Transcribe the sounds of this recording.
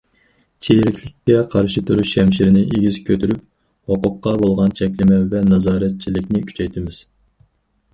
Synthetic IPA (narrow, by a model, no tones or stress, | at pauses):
t͡ʃʰeɾɪkʲlɪkʲːɛqʰɑɾʃit̪ʰuɾyʃʃɛmʃiɾɪnɪʔeɡʲizkʲʰøt̪ʰyɾyp̚ | hoqʊqːɑbolˠʁɑnt͡ʃʰɛkʲlɪmɛvɛnɑzɑːɾɛt̪̚t͡ʃʰilɪkʲnɪkʲʰy̥t͡ʃʰɛjt̪ʰɪmɪz̥